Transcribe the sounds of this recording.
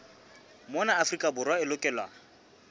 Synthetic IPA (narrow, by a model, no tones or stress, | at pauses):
mɔnaafrikʼabʊrwaɪlʊkʼɛlwa